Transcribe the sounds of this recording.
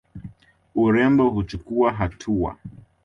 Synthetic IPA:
uɾɛmbɔɦut͡ʃukuaɦatʰua̰

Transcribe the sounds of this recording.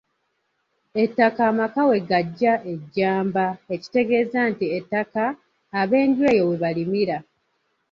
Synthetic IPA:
e̞tːakaːmakawe̞ɡaɟːaʔe̞ɟːaːmbaeci̥te̞ɡe̞ːzantietːakaː | βe̞ːndwe̞ːjo̞we̞βalimiɾa

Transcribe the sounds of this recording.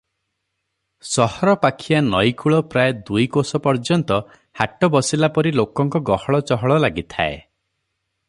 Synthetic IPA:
sɔhɔɾɔpakʰijanɔjkʰuɭɔpɾaed̪ujkosɔpɔɾd͡ʒɔnt̪ɔ | haʈɔbɔsilapɔɾilokɔŋkɔɡɔhɔɭɔt͡ʃɔɦɔɭɔlaɡit̪ʰa̰ḛ

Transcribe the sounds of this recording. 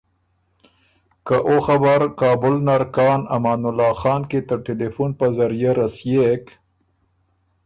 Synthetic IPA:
kaʔoxabaɾkɑːbʊlnaɾkɑːnamɑːnʊlːɑːxɑːnket̪əʈelefunpazaɾjaɾasjek

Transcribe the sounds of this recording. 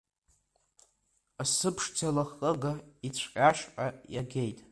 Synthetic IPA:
asɨpʰʂd͡zʰalaχʼəɡait͡ɕʷʰqʲʼaʃʔʼajaɡʲejtʼ

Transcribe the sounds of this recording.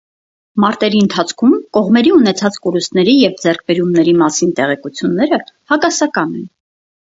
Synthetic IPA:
mɑɾt̪ɛɾiənt̪ʰɑt͡sʰkʰumkɔʁmɛɾiunɛt͡sʰɑt͡skɔɾust̪nɛɾijɛvd͡zɛɾk̚ʰbɛɾumnɛɾimɑsint̪ɛʁɛkut͡sʰjunːɛɾəhɑkɑsɑkɑnɛn

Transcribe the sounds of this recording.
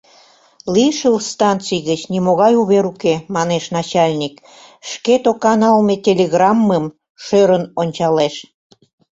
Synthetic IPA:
liʃəlst̪ɑnt͡sijɣət͡ɕnimoɣɑjuβeɾukemɑneʃnɑt͡ɕɑlʲnʲik | ʃket̪okɑnɑlmet̪ʲelʲeɣrɑmːəm | ʃøɾənonʲt͡ɕɑleʃ

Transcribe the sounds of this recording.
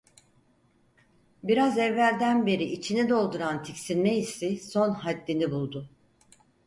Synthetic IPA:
biɾazɛvlæɾd̪ænbe̞ɾiʔːt͡ʃʰinɛd̪o̞lˠd̪uɾant̪ʰicsinʲmeisiso̞nɦad̪ːinibulˠd̪ʊ

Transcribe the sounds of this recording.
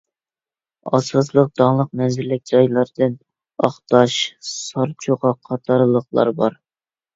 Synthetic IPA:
ɑ̰sɑslˠəq̚d̪̥ɑŋlˠəq̚mɛnzɪɾlɪk̚ʲd͡ʒɑjlˠɑɾd̪ɨn | ɑχt̪ɑʃsɑɾt͡ʃʰuʁɑqʰɑt̪ʰɑɾlˠəχlˠɑ̰ɾbɑɾ

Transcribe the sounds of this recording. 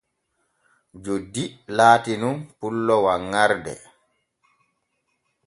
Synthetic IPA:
d͡ʒodilaːtinunpulːɔwaŋːaɾdɛ̰

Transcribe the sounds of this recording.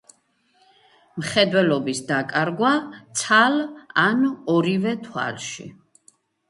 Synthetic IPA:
mχɛd̪wɛlɔbisd̪akʼaɾɡwat̪sʰalanɔɾivɛt̪ʰwa̰lʃḭ

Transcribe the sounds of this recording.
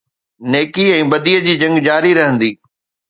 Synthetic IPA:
neːkiɛ̃ːbɐd̪ijəd͡ʑiːd͡ʑɐ̃ŋɡd͡ʑaːɾiɾɐɦə̃nd̪iː

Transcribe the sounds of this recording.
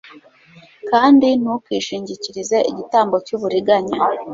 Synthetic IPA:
kaːndinukwiːʃiːɲɟiciɾizeʔiɟitaːmbo̞cuːβuɾiɡaɲa

